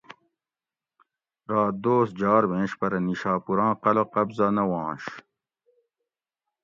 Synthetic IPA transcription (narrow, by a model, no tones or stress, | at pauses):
ɾaːt̪̚d̪oːs̚d͡ʑaːɾmẽːɕpɐɾɐniɕaːpuɾãːqɐlɐqɐbzɐnɐwɑ̃ːɕ